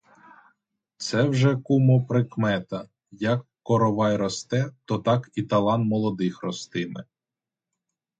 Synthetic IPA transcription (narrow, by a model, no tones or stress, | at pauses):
t̪sɛwʒɛkumɔpɾɪkmɛt̪ɐ | jɐkːɔɾɔʋɑjɾɔst̪ɛt̪ɔt̪ɑkit̪ɐlˠɑnmɔlˠɔd̪ɪxrɔst̪ɪmɪ̰